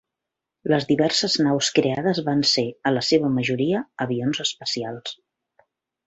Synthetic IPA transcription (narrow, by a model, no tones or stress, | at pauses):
ləzðiβɛrsəznawskɾeaðəzβanseələseβəməʒuɾiəəβionzəspəsialˠs